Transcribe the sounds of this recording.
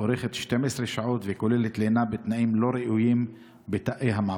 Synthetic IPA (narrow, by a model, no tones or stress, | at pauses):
oɾeχet̪ʃt̪emʔesɾeʃaʕot̪vekolelet̪lenabet̪naʔimloɾiʔujim | bet̪aʔeɦama